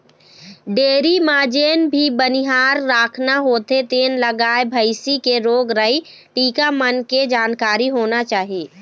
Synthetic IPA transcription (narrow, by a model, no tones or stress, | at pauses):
ɖeːɾimaːd͡ʒeːnbʱibəniɦaːɾːaːkʰnaɦoːt̪et̪eːnləɡaːebʱəɪsikeɾoːɡɾəi | ʈiːkamənked͡ʒaːnkaːɾiɦoːnat͡ʃaːɦiiː